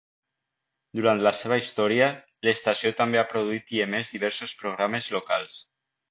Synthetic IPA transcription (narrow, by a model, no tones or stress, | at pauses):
d̪uɾant̪laseβ̞əist̪ɔɾiə | lest̪asiot̪ambeapɾoðuit̪iemezd̪iβɛɾsospɾoɣ̞ɾamezloka̰lˠs